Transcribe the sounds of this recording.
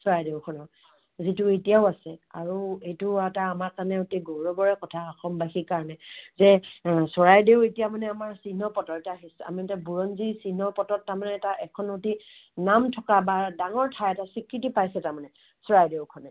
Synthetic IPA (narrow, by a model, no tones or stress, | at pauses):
sɔɹajdeʊkʰɔnɔɹ | zituetijaʊasɛa̰ɹuejtʊataːmaɹkanɛotiɡoɹɔbɔɹɛkɔtʰaɔxɔmbaxikaɹɔnɛzɛsɔɹajdeʊetijamanɛamaɹsinɔpɔtɔɛtaɦisa̰miɛtabuɹɔnzisinɔpɔtɔtːaɹmanɛːtaʔɛkʰɔnoti | namtʰɔkabadaŋɔɹtʰajɛtasikɹitipajsɛtaɹmanɛ | sɔɹajdeʊkʰɔnɛ